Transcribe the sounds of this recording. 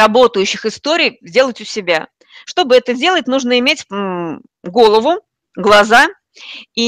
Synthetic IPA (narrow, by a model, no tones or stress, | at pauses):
ɐbo̞t̪əjʉɕːɪxɪst̪o̞ɾʲɪjzʲdʲe̞lˠətʲʊsʲɪbʲa | ʂt̪o̞bɨɛt̪ədʲe̞lˠətʲnuʐnəɪmʲetʲ | ɡo̞lˠəvʊ | ɡlˠɐza | i